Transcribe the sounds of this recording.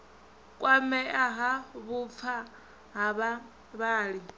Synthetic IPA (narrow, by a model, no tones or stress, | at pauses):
kʼwamɛʔaɦaβup̪fʰa | ɦaβa | βaːɺi